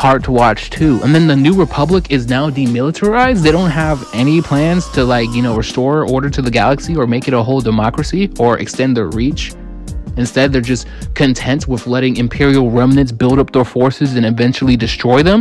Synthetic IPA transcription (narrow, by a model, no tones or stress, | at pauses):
hɑɹd̚tʰəwɑt͡ʃtʰʉʔə̰̃nðɨ̃nðɨnʉɹɨpʰʌbləkɪznaʊdimɪlˠətʰə˞aɪzdðeɪɾõʊ̃nt̚ɦəvɛnipʰl̥æ̃nz̥tʰɨlaɪkjɨñoʊɹɨstɔɹɔɹɾə˞ɾɨðɨɡælˠəksiə˞meɪkɨɾəɦoʊlˠdɨmɑkɹɨsiə˞ʔɨ̰kstɛ̃nðə̰˞ɹit͡ʃ | ɨ̃nstɛd̪̚ðə˞d͡ʒʌs | kʰɨ̃ntʰɛ̃nt̚wəðlɛɾɪ̃ŋɨ̃mpʰɪɹil̩ˠɹɛmnɨ̃ntsb̥ɪlˠɾʌp̚ðə˞fɔɹsɨzɨ̃ñɨvɛ̃nt͡ʃl̩ˠidɨstɹ̥ɔɪðə̃m